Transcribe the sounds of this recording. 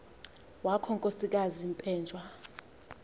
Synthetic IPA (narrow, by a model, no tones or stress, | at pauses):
wakʰɔŋkʼosik̬azimpʼɛːnd͡ʒʱwa